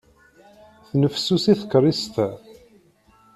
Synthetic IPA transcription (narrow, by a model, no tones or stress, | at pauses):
θnəfsusiθə̥kːrˤist̪